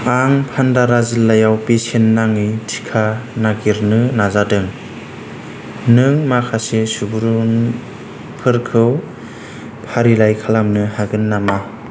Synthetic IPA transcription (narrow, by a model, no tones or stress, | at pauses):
aŋpʰandaɾazilːajawpesenːaŋɯjtʰi̥kʰanaɡiɾnɯnazadɯŋ | nɯŋmakʰasesubuɾun | pʰɯɾkʰɯw | pʰaɾilajkʰalamnɯhaɡɯnːama